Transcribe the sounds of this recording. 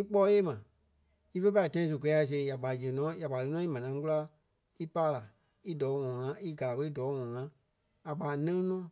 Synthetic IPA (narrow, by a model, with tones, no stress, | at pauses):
i˦k͡pɔː˦jeː˦˨mã˨ | i˦fə˦pa˦i˨tã˧˦ĩ˧˦s̬u˨kɛ˨˦a˧˨s̬e˧˨˦ja˨k͡pa˨ji˨ə˨nɔ̃ː˨˦ja˨k͡pa˨lɨ˧˦nɔ̃ː˦i˦mã˨nã˨˦ku˦la˦ | i˦paː˦la˨ | i˦dɔː˨˦ŋɔ̃˨ŋã˨˦i˦ɡa˨ɓə˧˦i˦dɔː˨˦ŋɔ̃˨ŋã˨˦ | a˨k͡paː˨˦nɛ̃˦nɔ̃ː˦˨